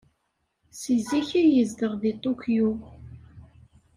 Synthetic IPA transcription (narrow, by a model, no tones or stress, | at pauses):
siziçijəzd̪əʁðit̪ˤokju